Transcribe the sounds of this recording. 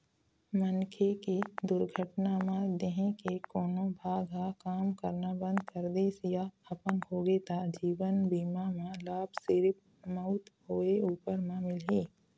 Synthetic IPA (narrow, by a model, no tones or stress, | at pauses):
mənkʰekid̪ʊɾɡʱəʈnamãd̪eɦẽkekoːnõbʱaːɡʱɦakaːmkəɾnabə̃nd̪kəɾd̪eːsɪjaɐpənɦoːɡeːt̪ad͡ʒiːwənbiːmamãlaːbsɪɾɪp̚ | məʊt̪ɦoːeuːpəɾmãmɪlɦeː